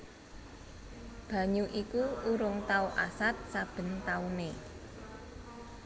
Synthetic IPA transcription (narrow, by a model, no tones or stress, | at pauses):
b̥ä̤ɲuʔikuuɾʊŋt̪aoʔasat̪̚sab̥ə̤nt̪aune